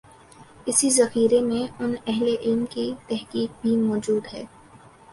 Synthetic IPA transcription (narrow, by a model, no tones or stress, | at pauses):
ɪsizɐxiːɾemẽʊnɛɦleʔɪlmkit̪ɛɦkiːk̚bʱimɔːd͡ʒuːd̪ɦɛ̰ː